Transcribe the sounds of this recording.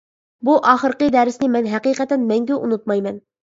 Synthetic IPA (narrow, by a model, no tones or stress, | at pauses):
buʔɑχəɾqəd̪æɾɪsnɪmɛnɦæqiːqɛt̪ɛnmɛŋɡʲɛʔunut̪̚mɑjmɛn